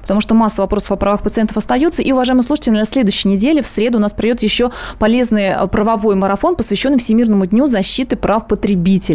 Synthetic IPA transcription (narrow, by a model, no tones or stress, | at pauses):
pə̥t̪ɐmuʂt̪omasːəvɐpɾo̞sə̥fɐpɾɐvaxpət̪sɨɛnt̪ə̥fɐst̪ɐjut̪səʔiʊvɐʐajɪməslˠuʂɨ̥tʲɪlʲɪd̪ʲɐsʲlʲe̞d̪ʊjʏɕːɪjnʲɪdʲelʲɪfsɾʲe̞d̪ʊːnaspɾɐdʲot̪jɪɕːo̞pɐlʲe̞znɨj̰pɾəvɐvo̞jməɾɐfo̞npəsvʲɪɕːo̞nːɨfsʲɪmʲirnəmʊdʲnʲuzɐɕːit̪ɨpɾafpət̪ɾʲɪbʲitʲɪlʲ